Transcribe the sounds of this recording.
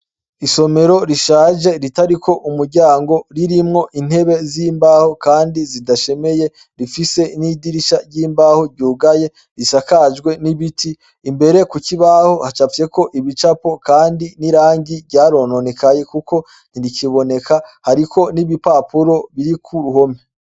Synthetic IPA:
iso̞me̞ɾo̞ɾiʃaːʒe̞ɾitaɾikʰo̞ʔumuɾɟaːŋɡo̞ɾiɾimŋo̞ʔin̥he̞βe̞ziːmbahokaːndizidaʃe̞me̞je̞ | ɾifise̞nidiɾiʃaɾɟiːmbaːho̞ɾɟuːɡaje̞ | ɾisakad͡ʒɡwe̞niβitiː | mbe̞ɾe̞kuciβaho̞hat͡ʃafje̞ko̞ʔiβit͡ʃapo̞kaːndiniɾaːɲɟivɟaːɾo̞no̞nekaje̞kuko̞ | n̥iɾikiβo̞ne̞kahaɾiko̞niβipapuɾo̞βiɾikʰuɾuho̞me

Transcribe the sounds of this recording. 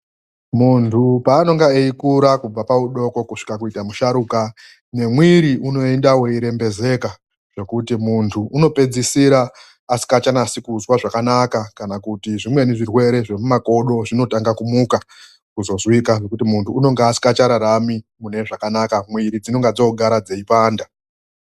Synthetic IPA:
muntʰupaːno̞ŋɡaeikuɾakub͡vapauɗo̞ko̞kuʂi̥kakuitamuʃaɾuka | ne̞mwiɾiʔuno̞endaweiɾe̞mbe̞ze̞ka | ʐ̥e̞kutimuntʰuʔːno̞pe̞d͡zisiɾaː | si̥kat͡ʃanasikuzwaʐakanakakanakutiʐimwe̞niʐirwe̞ɾe̞ʐe̞mumako̞ɗo̞ʐino̞taŋɡakumuka | kuzo̞zwikaʐe̞kutimuntʰuːno̞ŋɡeasi̥kat͡ʃaɾaɾamimune̞ʐakanakamwiɾid͡zino̞ŋɡad͡zo̞ɡʱaɾad͡ze̞ipaːnda

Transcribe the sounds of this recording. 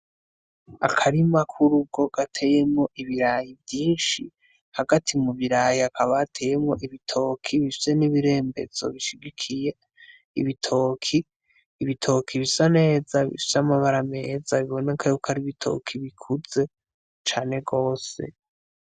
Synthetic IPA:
a̰kʰaɾimakʰuɾuɡo̞ɡ̥atʰe̞je̞mŋo̞ʔiβiɾajivjiːnʃi | haɡatʰimuβiɾajiakʰaβatʰe̞ːje̞mŋo̞ʔiβitʰo̞ːkʰiβifi̥se̞niβiɾe̞ːmbe̞̰z̥o̞̰βiʃiɡikʰije̞ | iβitʰo̞ːkʰiː | βitʰo̞kʰiβisane̞ːzaβḭfi̥samaβaɾame̞ːzaβiβo̞nekʰajokʰaɾiβitʰo̰kʰiβikʰuze̞ | t͡ʃaːne̞ɡo̞ːse̞̰

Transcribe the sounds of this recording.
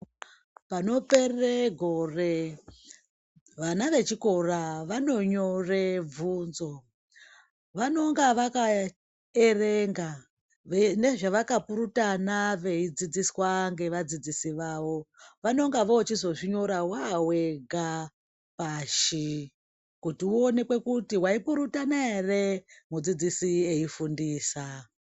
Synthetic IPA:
pano̞pe̞reɡʱo̞re | ʋanaʋe̞t͡ʃiko̞raʋano̞ɲo̞revʱuːnzo̞ | ʋano̞ŋɡaʋaka | ereŋɡa | ene̞ʐaʋakapuɾutanaʋe̞id͡zid͡ziswaŋɡe̞ʋad͡zid͡zisiʋaʋo̞ʋano̞ŋɡaʋoːt͡ʃizo̞ʐiɲo̞ɾawawe̞ɡʱa | paʃi | kutiuone̞kwe̞kutiwaipuɾutanaere̞mud͡zid͡zisieifundiːsa

